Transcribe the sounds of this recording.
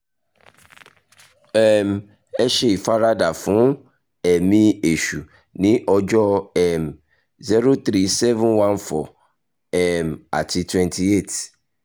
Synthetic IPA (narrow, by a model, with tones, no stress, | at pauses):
ɛ˨m | ɛ˦ʃɛ˦i˨fa˦ɾa˦da˨fũ˨˦ | ɛ˨mĩ˦e˨ʃu˨ | nĩ˦ʔɔ˦d͡ʒɔ˦ɛ˨m | zi˦ɾo˦t̪ɾi˦sɛ˦vɛ̃˦nwã˦nfɔ˨ | ɛ˨ma̰˨tʰi˨twɛ̃˦ntʰi˦e˦˨t